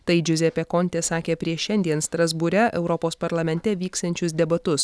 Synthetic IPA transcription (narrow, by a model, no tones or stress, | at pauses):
t̪ɐɪd͡ʒʲʊzʲɛpʲɛkɔnʲt̪ʲeːsɑːkʲeːpʲɾʲiɛʃʲɛnʲd̪ʲiɛnst̪ɾɐzbʊɾʲɛʔɛʊɾɔpoːspɐɾlˠɐmʲɛnʲt̪ʲɛʋʲiːkst̪ɐnʲt͡ʃʲʊsd̪ʲɛbɐt̪ʊs